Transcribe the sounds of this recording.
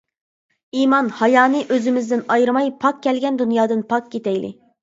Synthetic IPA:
imɑnhɑjɑːnɨʔøzɪmɪzd̪ɪnɑjɾɨmɑjpʰɑk̚kʲʰːɛlɡʲɛnd̪ynjɑːd̪ɨnpʰɑk̚kʲet̪ʰɛjlɪ̰

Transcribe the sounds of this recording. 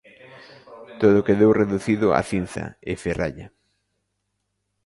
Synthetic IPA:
t̪oðʊkeðowreðuθiðʊa̰θin̟θɐ̰ɪferʔa̰ʎa

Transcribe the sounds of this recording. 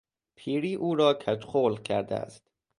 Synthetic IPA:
pʰiːɾiːʔuːɾɒːkʲʰæt̪xoːlcʰæ̰ɾd̪ḛæ̰st̪

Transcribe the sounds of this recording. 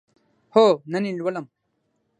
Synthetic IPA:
hoːnɐnilwɐlɐm

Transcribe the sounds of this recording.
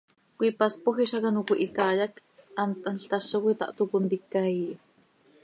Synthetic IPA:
kʷipaspoxiʃakanukʷiʔikaːjak | ant̪ʔanɬt̪aʃokʷit̪a̰ʔt̪ukunt̪ikːaiʔ

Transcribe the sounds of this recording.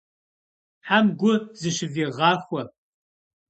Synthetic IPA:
ħamɡʷʊzɨʃɪviːʁɑːxʷɔ

